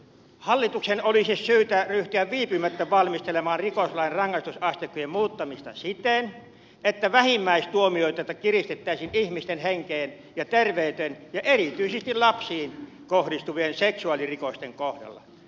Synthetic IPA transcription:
hɑlːit̪uksenolisissyːt̪æryht̪yæʋʋiːpymæt̪ːæʋɑlmist̪elemɑːnrikoslɑˑinrɑŋːɑist̪usɑst̪ekːˑojemmuːt̪ːɑmist̪ɑ̰sit̪en | et̪ːæʋæhimːæist̪uomioit̪ɑt̪ɑkirist̪et̪ːæˑisinihmist̪enheŋkeːn | jɑt̪erʋeˑyt̪enjɑʔerit̪yisest̪illɑpsiːn | kohdist̪uʋienseksuɑlirikost̪eŋkohdɑ̰lːɑ̰

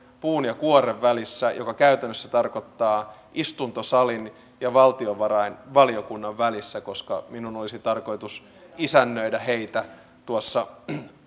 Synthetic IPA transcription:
puːnjɑkuoɾeʋːælisːæjokɑkæyt̪ænːøsːæt̪ɑrkot̪ːɑː | ʔist̪unt̪osɑlin | jɑʋɑlt̪ioʋɑrɑinʋɑliokunːɑʋʋælisːæko̞skɑ̰minunolisit̪ɑrko̞it̪us | isænːøidæheit̪æ | t̪uosːɑ

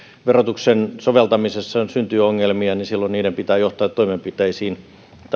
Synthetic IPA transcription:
ʋerot̪uksensoʋelt̪ɑmisesːɑsynt̪yːoŋːelmiɑnisilːonniːdempit̪æːjoht̪ɑːt̪toimempit̪eisiːn | t̪

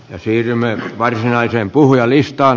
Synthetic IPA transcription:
jɑsiːrymːˑeʋɑrsinɑisempuhujɑlist̪ɑː

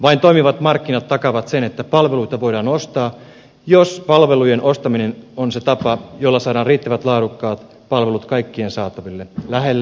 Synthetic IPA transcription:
ʋɑint̪o̞imiʋɑt̪mɑrkːinɑt̪ːɑkɑʋɑt̪senet̪ːæpɑlʋe̞luit̪ɑʋo̞jdɑːnost̪ɑː | jospɑlʋe̞lujenʔost̪ɑminenonset̪ɑpɑjolːɑsɑːdɑːriːt̪ːæʋæt̪lɑːdukːɑːt̪ | pɑlʋe̞lut̪kɑikːiensɑːt̪ɑʋilːelæɦelːæ

